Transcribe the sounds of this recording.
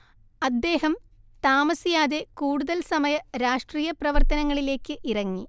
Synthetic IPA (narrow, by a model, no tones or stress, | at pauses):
ɐd̪ːe̞ːɦɐm | t̪aːmɐsijaːðekuːɽuðɐlsɐmɐjɐɾaːʂʈriːjɐprɐʋɐrt̪ɐnɐŋːɐɭile̞ːkːɨʔirɐŋːi